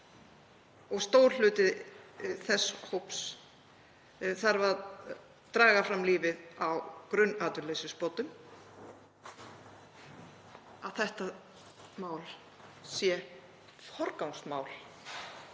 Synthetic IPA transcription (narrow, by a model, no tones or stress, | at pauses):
ɔɣst̪oːwɾlʏːt̪ɪθɛsːhowps | θaɾva | t̪ɾaːɣafɾamliːvɪðawkɾʏnaːt̪ʏɾlesʏspɔt̪ʏm | aðθɛht̪a | maːwl | sjɛ | fɔɾkawŋst̪maːwl